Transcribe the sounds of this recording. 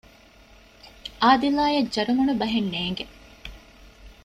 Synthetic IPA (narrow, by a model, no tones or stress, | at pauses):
ʔaːd̪ilaːjɐd͡ʒɐɾumunubɐɦenːeːŋɡe